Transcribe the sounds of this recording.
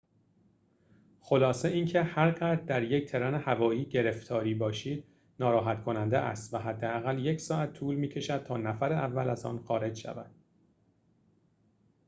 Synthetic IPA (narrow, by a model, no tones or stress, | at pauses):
xo̞lɒːse̞iːncʰe̞hæɾɢæd̪æɾject̪ʰe̞ɾɒːnehævɒːiːɟe̞ɾe̞ft̪ʰɒːɾiːbɒːʃiːd̪̥̚ | nɒːɾɒːɦæt̪kʰo̞nænd̪eʔæ̰st̪væɦæd̪ːeæɣælje̞cʰsɒːæt̪ʰːuːlmiːcʰe̞ʃæd̪̥̚t̪ʰɒːnæfæɾeʔævːælæzɒ̰ːnxɒːɾe̞d͡ʒʃæ̰væ̰d̪̥